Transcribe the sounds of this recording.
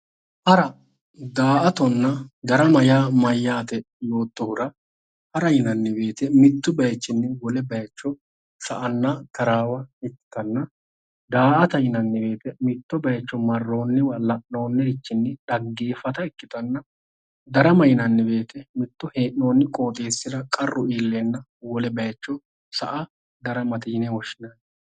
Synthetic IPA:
hɐɾɐ | d̪aːʔɐt̪ɔnːɐd̪ɐɾɐmɐjaːmɐjːaːt̪ɛ | jo̞ːt̪ːɔhʊɾɐ | hɐɾɐjɪnɐnːɪbe̞ːt̪ɛmɪt̪ːʊbɐjt͡ʃːɪnːɪwɔlɛbɐjt͡ʃːɔ | sɐ̰ʔɐnːɐkɐɾaːwɐɪtt̪ːɐnːɐ | d̪aːʔɐt̪ɐjɪnɐnːɪbe̞ːt̪ɛmɪt̪ːʊbɐjt͡ʃːɔmɐrːo̞ːnːɪwɐlɐʔno̞ːnːɪɾɪt͡ʃːɪnːɪᶑɐɡːeːfɐt̪ɐɛkːɪt̪ɐnːɐ | d̪ɐɾɐmɐjɪnɐnːɪbe̞ːt̪ɛmɪt̪ːʊheːʔno̞ːnːɪkʼo̞ːt̪ʼe̞ːsːɪd̪ɐkʼɐrːʊiːlːeːnːɐ | wɔlɛbɐjt͡ʃːɔ | sɐ̰ʔɐ | d̪ɐɾɐmɐt̪ɪjɪnɛwɔʃɪnaːn

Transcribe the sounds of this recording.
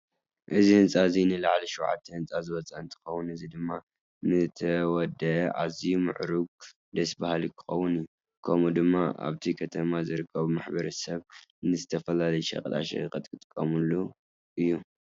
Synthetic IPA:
ʔɨziɨnt͡sʼazinɨla̰ʕliʃuwʕa̰t̪ʰːɐɨnt͡sʼazɨβɐt͡sʼaɨnt̪ʰɨ̥xɐwːunɨzid̪ɨmːa | nɨt̪ʰɐwɔd̪ɐʔʔa̰ziumɨ̰ʕɾuɡ̚ | d̪ɐsbahalikʰɨ̥xɐwːʊnɨjːu | kʰɐmud̪ɨmːaa̰βt̪ʰikʰɐt̪ʰɐmazɨɾɨkʰːɐβmaħbɐɾɐsɐβnɨzɨt̪ʰɐfɐlalɐjʃɐ̰kʼɐd̪a̰ʃɐ̰kʼɐt̪ʼkʼɨt̪ʼɨkʼːɐmulːu | ʔɨjːu

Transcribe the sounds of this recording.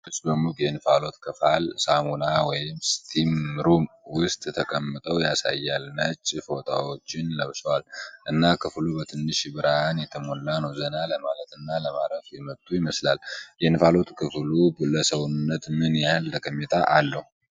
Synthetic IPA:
bɨsbəmːuɡɛnɨfalo̞t̪kʰəfalsamunawɔjɪmst̪ʰimɾumwʊst̪ʼt̪ʰəkʼəmːɨt̪ʼəwjasa̰jːalnət͡ʃʼːɪfot̪ʼa̰wo̞t͡ʃːɪnləβswalʔɨnːakʰɨflubət̪ʰɨnːɨʃbɨɾaanjɛt̪ʰəmo̞lːanəwzənaləmalət̪ɨnːaləmaɾəfjɛmət̪ʼːujɪməslaljɛnɨfalo̞t̪kʰɨflubləsəwnːət̪mɨnjahɨlt̪ʰəkʼəmːɛt̪ʰʼaʔalːəhu

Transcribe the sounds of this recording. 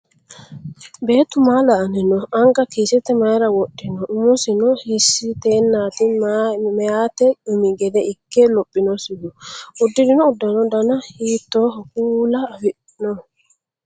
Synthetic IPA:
beːt̪ʊmaːlanɛnɔaŋɡakiːsɛt̪ɛmajɾɐwɔɗːinɔʔumusinɔhisːit̪eːnːaːt̪imɛaːt̪ɛumiɡɛd̪ɛikːɛlɔpʼːinɔsinɔud̪ːid̪inɔud̪ːɐnɔd̪anahiːt̪ːɔːhɔkuːlawiʔ | nɔ

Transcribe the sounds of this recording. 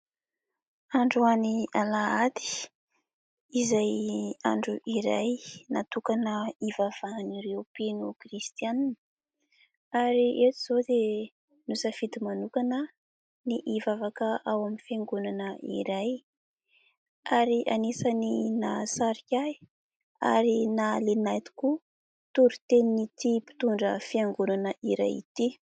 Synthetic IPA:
aɳɖ͡ʐuanialaad̪i̥ | izaja̰ɳɖ͡ʐuʔiɾa̰jnat̪ukanaivav̥aniɾewpenukɾist̪ianini | aɾiʔet̪iz̥od̪e | nusəfid̪imanukanə | niʔivavakəʔawaminfiaŋɡunanəʔḭɾaj | aɾiʔa̰nesaninasaɾikʲa | a̰ɾinalenajt̪i̥ku | t̪uɾut̪eninit̪ipi̥t̪uɳɖ͡ʐəfiaŋɡunanəʔiɾa̰jḭt̪i

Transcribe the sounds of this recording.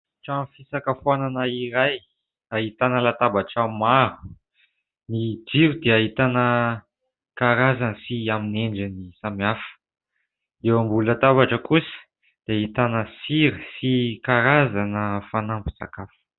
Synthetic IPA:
ʈ͡ʂamfisakafuananəiɾaj | aɦit̪anəlat̪abaʈ͡ʂəmaɾu̥ | nidiɾud̪eaɦit̪anə | kaɾazansiamineɳd͡ʒinisamiafə̥ | ewambululat̪aβaʈ͡ʂəkusə̥ | d̪̥eaɦit̪anəsiɾəsikaɾazanəfanampu̥za̰kafə̥

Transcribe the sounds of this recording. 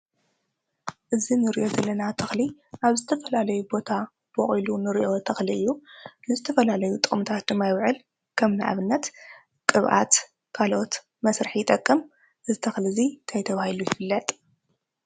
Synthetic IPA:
ʔɨzinɨɾiʔo̞zɐlːɐnat̪ʰɐxliʔaβzɨt̪ʰɐfɐlalɐjubo̞t̪ʰa | b̥oχʼilunɨɾiʔo̞t̪ʰɐxliɨjːunɨzɨt̪ʰɐfɐlalɐjut̪ʼɨkʼɨmt̪ʰat̪̚d̪ɨmːajwɨʕɨl | kʰɐmnaʔa̰βɨnːɐt̪ | kʼɨβʔa̰t̪ | kʰalo̞t̪ | mɐsɾɨħijɪt̪ʼɐkʼːɨm | zɨzɨt̪ʰɐxlizint̪ʰajt̪ʰɐβahilujɪfɨlːɐt̪ʼ

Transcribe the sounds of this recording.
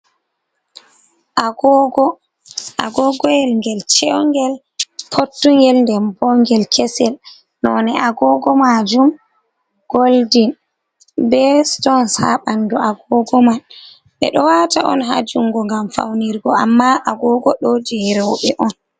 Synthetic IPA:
ʔaɡɔɡɔ | ʔa̰ɡɔɡɔjɛlŋɡɛlt͡ʃɛwŋɡɛl | pʰotːuŋɡɛlndɛmbɔŋɡɛlkʰɛsɛl | nɔnɛaɡɔɡɔmad͡ʒum | ɡ̥oldin | bɛstɔnsha̰ɓanduaɡɔɡɔman | ɓɛ̰ɗɔwataʔɔ̰nɦa̰d͡ʒuŋɡɔŋɡamfa̰wniɾɡɔamːaʔaɡɔɡɔɗɔd͡ʒɛɾɛwɔɓɛʔɔn

